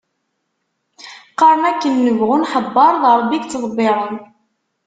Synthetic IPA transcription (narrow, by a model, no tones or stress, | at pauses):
qɑɾˤnækːənːəvʁʊnħəbːɑɾˤðˤɾˤəbːiɡt͡sːəðˤbːɪɾˤən